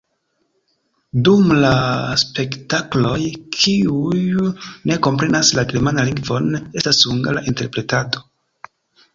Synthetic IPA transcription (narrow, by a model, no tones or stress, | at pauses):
dumlaspe̞ktaklo̞jkʰiujne̞ko̞mpɾe̞naslaɡemanaliŋɡvo̞ne̞stasuŋɡalaʔinte̞ɾpɾe̞tado̞